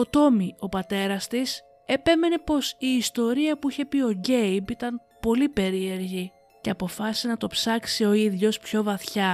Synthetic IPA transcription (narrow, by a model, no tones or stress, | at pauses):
o̞t̪o̞mio̞pɐt̪e̞ɾɐst̪is | e̞peme̞ne̞po̞siːst̪o̞ɾiɐpuiçe̞pio̞ɟe̞jbit̪ɐn | po̞lipe̞ɾie̞ɾʝi | ce̞ɐpo̞fɐsinɐt̪o̞psɐksio̞iðʝo̞spço̞vɐθçɐ